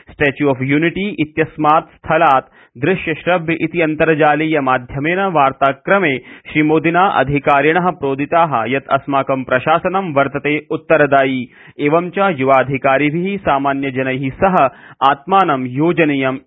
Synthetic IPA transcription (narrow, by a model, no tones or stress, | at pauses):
sʈeːt͡ʃjuɐfjuːniʈiːʔit̪jɐsmaːt̪st̪ʰɐlaːt̪ | d̪ɾɪʃjɐʃɾɐbʱjɐʔit̪iɐnt̪ɐɾɐd͡ʒaːliːjɐmaːd̪ʱjɐmeːnɐʋaːɾt̪aːkɾɐmeːʃɾimoːd̪inaːʔɐ̰d̪ʱikaːɾjɐɳɐɦɐ̆pɾoːd̪ʱit̪aːɦɐ̰jɐt̪ʰɐ̰smaːkɐmpɾɐʃaːsɐnɐmʋɐɾt̪ɐt̪eːut̪ːɐɾɐd̪aːjiː | eːʋɐmt͡ʃaːjuʋaːd̪ʱikaːɾibʱiɦisaːmaːnjɐd͡ʒɐnɐɦisɐɦɐaːt̪maːnɐmjoːd͡ʒɐnijɐm